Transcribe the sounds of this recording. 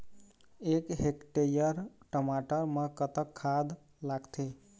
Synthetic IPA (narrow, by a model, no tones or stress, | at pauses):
ekɦekʈeɾijəɾʈəmaʈəɾməkət̪əkʰːad̪ | laɡt̪ʰe